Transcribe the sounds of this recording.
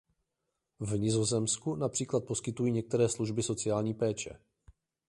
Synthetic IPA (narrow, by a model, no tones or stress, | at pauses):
vɲɪzo̞zɛmskunapr̥iːklat̪̚po̞skɪt̪ujiːɲɛk̚t̪ɛɾɛːsluʒbɪso̞t͡sɪjaːlɲiːpɛːt͡ʃɛ̰